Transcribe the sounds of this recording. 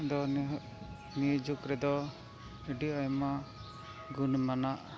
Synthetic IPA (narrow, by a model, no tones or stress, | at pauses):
d̪ɔ | nijd͡ʒukɾɛd̪ɔ | iɖiajma | ɡunmanaʔ